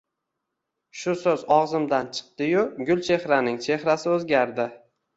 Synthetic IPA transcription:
ʃʊsɵzɒʁzɪmd̪ant͡ʃʰɨ̥q̚t̪ɪjʊɡʲʊlʲˠt͡ʃʰe̞hɾanɪŋt͡ʃʰe̞hɾasɪɵzɡʲaɾd̪ɪ

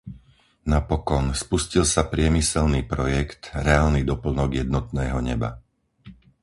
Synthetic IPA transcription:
napɔkɔnspuscilsapɾɪɛmisɛlniːpɾɔjɛkt̪ɾɛaːlnid̪ɔpl̩nɔɡjɛd̪nɔt̪nɛːɦɔɲɛba̰

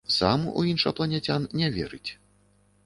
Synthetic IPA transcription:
samuʔṵinʂɐplˠɐnʲɛt͡sʲannʲɛvʲɛ̰ɾɨt͡sʲ

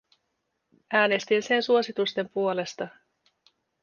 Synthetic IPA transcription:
ʔæːne̞st̪inse̞nsuosit̪ust̪e̞mpuole̞st̪ɑ

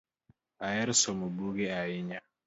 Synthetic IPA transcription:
ajɛɾsɔmubuɡeajɪɲa

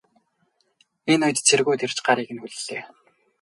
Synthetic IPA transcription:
enʊjt̪t͡sʰerɣuːt̪ʰer̥t͡ɕɢaɾiːɣɘ̆nxuɮɮeː

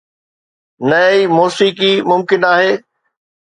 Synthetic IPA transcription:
nɐimoːsiːkimʊmkɪnaːɦeː

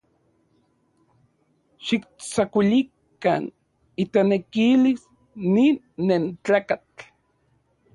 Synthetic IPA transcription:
ʃik̚t͡sakʷilik | a̰n | it̪enekilis | ninːent͡ɬaːkat͡ɬ

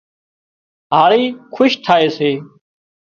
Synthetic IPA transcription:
ɦaːɭiːkʰʊʃt̪ʰaːeːseː

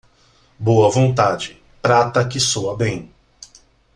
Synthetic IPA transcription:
boɐvõnt̪ad͡ʒɪ | pɾat̪ɐkɪsoɐbẽj̃

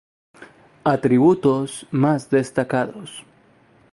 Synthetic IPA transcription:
at̪ɾiβut̪osmazd̪est̪akaðos

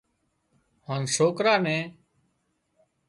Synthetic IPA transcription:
haːnsoːkɾaːnɛ̃ː

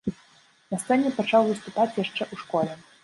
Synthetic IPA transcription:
nɐst̪sɛnʲɛpat͡ʂawvɨst̪upat͡sʲjaʂt͡ʂɛʔuʂkɔlʲɛ

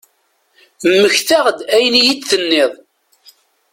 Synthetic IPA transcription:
mːəçθaʁd̪æjənijit͡sːθənːeðˤ

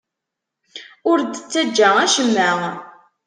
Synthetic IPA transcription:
ʊɾd̪ət͡sːæd͡ʒːææʃəmːæ

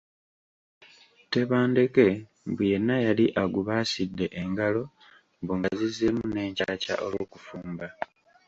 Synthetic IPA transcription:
te̞βaːnde̞ke̞ | buje̞nːajaliʔaɡuβaːsidːe̞ʔeŋɡalo̞ | mbuŋɡazizemune̞ːɲcaca̰ʔo̞lo̞ːkufuːmba

